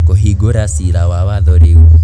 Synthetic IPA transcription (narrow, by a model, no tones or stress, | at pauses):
koɦiɡoɾasiɾawawaðɔɾe